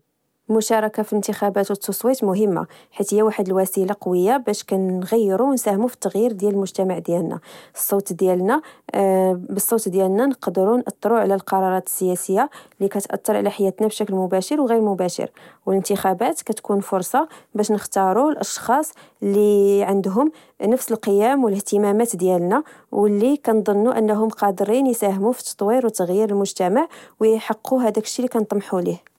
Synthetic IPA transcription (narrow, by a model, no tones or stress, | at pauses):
lmʊʃɑɾˤɑkafiənt̪əxæbæt̪wət̪ːusˤwit̪mʊɦəmːa̰ħit̪həjːæwaħəd̪əlwæsilaqɑwəjːabæʃkænɣæjːɾuwnsæhmufi̥t̪ːɑɣjiɾd̪jæləlmʊʒt̪æmaʕd̪jælnæ̰sˤːot̪d̪jælnæ | bəsˤːot̪d̪jælnænqd̪əɾunʔɑt̪ˤːɾuʕlælqɑɾˤɑɾˤɑt̪ə̥sːəjæsəjːalikæt̪ʔɑ̰t̪ːɑɾˤʕ̰læħajːæt̪næbʃæklmʊbæʃəɾwɣiɾmʊbæʃə̰ɾwələnt̪əxæbæt̪kæt̪kunfʊɾsˤɑbæʃnəxt̪ɑɾˤulʔɑʃxɑsˤ | lːiʕənd̪ɦʊm | nəfsəlqəjæmwələht̪əmæmæt̪d̪jælnæ | wəlːikænd̪ˤɑnːuʔənːɦʊmqɑd̪ɾinjsæhmufi̥t̪t̪ˤːwiɾwt̪ːəɣjiɾəlmʊʒt̪æmaʕwjħəqːuɦæd̪ækə̥ʃːilikænt̪ˤmħulih